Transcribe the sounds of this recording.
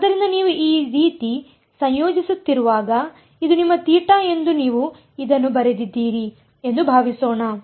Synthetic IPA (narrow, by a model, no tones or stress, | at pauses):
ɐd̪ɐɾind̪ɐniːʋuʔiːɾiːt̪i | sɐ̃ɲjoːd͡ʒisut̪ːiɾuʋaːɡɐ | id̪unimːɐt̪iːʈɐe̞nd̪uniːʋu | id̪ɐnːubɐɾed̪id̪ːiːɾi | e̞nd̪ubʱaːʋisoːɳɐ